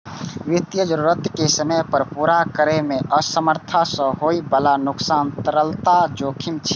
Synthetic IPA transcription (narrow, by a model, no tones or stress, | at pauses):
ʋit̪jəd͡ʒəɾuɾət̪kesəməpəɾpuɾakəɾemeʔəsəməɾt̪ʰasə̃ɦoibəlanuksant̪əɾəlt̪ad͡ʒokʰimt͡ʃʰi̥